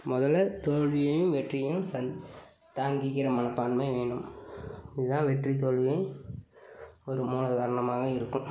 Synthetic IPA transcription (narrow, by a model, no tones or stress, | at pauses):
mɔðɐlɐt̪oːɻʋɪjɐjɯ̃mʋɛʈrɪjɯ̃msɐ | t̪aːŋɡɪɣɪɾɐmɐnɐpːaːɳmeʋeːɳɖɯm | ɪðɯðãːʋɛʈrit̪̬oːɭʋɪjɐɪ | ɔɾɯmuːnɐðɐɣɐɾɐɳɐmaːɣɐɪɾɯkːɯ̃m